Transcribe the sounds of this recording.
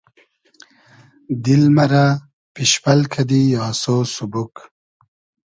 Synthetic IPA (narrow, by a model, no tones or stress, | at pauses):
d̪ilmɐɾa | piʃpɐlkʰad̪ijɑːsoːsubuk